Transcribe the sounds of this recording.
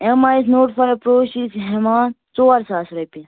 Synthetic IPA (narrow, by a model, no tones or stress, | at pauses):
emaːisnoːʈfɐɾpɾoːʃisɦemaːnt͡soːɐɾsaːsɾɐpi